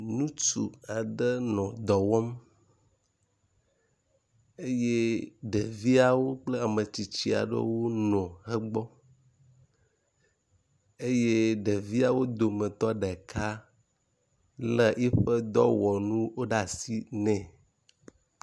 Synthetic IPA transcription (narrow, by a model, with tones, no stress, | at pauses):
nũ˦t͡ʃṵ˨a˨ɖə˦nɔ̃˨d̪ɔ˨wɔ˦m | e˦je˦ɖɛ˨vi˦a˨wo˦k͡plə˦a˨mə˨t͡ɕi˨t͡ɕi˦a̰˨ɖə̰˦wo˦nɔ̃˨hə˦ɡ͡bɔ˦ | e˦je˦ɖɛ˨vi˦a˨wo˦d̪o˨mə̃˨t̪ɔ˦ɖɛ˨kʰa˦ | lə˦˨ʔɛ˦ɸə˦d̪ɔ˦wɔ˨nũ˦wo˦ɖa˨si˦nɛ̃˨